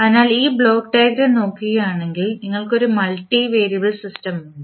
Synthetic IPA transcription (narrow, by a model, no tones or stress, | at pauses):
ɐðinaːliːbɭo̞ːɡʈeːɣɾeno̞ːkːiɣɐjaːɳe̞ŋɡilniŋːɐɭko̞ɾumɐɭʈːiʋeːɾiɐbɐɭsistɐm